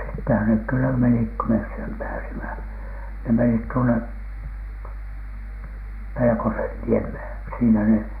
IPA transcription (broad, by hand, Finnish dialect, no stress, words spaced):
sitːehæn nek kylːæ menik ko mes sem pæːsimæ ne menit tuone pelekosenːiemheˑn̥ siːnæ ne